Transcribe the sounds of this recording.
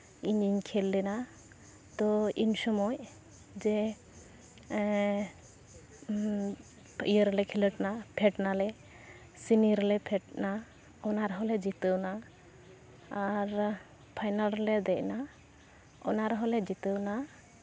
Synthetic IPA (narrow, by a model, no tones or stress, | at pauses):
iɲiɲkʰɛlːɛna | t̪ɔiɲsɔmɔj | d͡ʒɛ | ijəɾlɛkʰiləʈnapʰɛʈnalɛ | siniɾɛlɛpʰɛʈna | ɔnaɾɦɔlɛd͡ʒit̪əwna | aɾ | pʰajnalɾɛlɛd̪ɛc̚na | ɔ̰naɾɦɔlɛd͡ʒit̪əwna